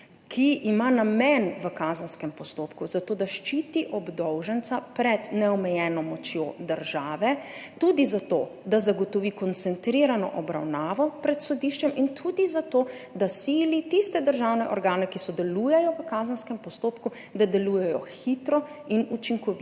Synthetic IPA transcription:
kʰiʔimanamɛnʋəkaːzənskɛmpɔst̪oːpkuzat̪oːd̪aʃt͡ʃiːt̪iʔɔbd̪ɔwʒənt̪sapɾɛd̪nɛɔmɛjɛnɔmɔt͡ʃjo̰d̪əɾʒaːʋɛt̪ud̪izat̪oːd̪azaɡɔt̪ɔʋikɔnt̪sɛnt̪ɾiɾanɔ̰ʔɔbɾa̰wnaːʋɔpɾɛt̪sɔd̪iʃt͡ʃɛmint̪ʰud̪izat̪oː | d̪asiːlit̪ist̪ɛd̪əɾʒawnɛʔɔɾɡaːnɛkisɔd̪ɛluːjɛjɔʋəkazənskɛmpɔst̪oːpku | d̪ad̪ɛlujɛjɔxit̪ɾɔ | inut͡ʃiŋkɔʋit̪

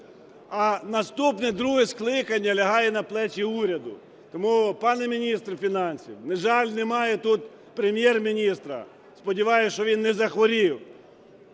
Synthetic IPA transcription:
ɐnɐst̪upnɛd̪ɾuɦɛsklˠɪkɐnʲːɐlʲɐɦɑjɛnɐplˠɛt͡ʃʲiuɾʲɐd̪ʊ̰ | t̪ɔmupɑnɛmʲinʲist̪rfʲinɑnʲsʲiwneʒɑlʲnɛmɑjɛt̪ut̪ | pɾemʲjɛrmʲinʲist̪ɾɐ̰ | spɔdʲiʋɑjʊʃt͡ʃɔʋʲinːɛzɐxʋɔɾʲiw

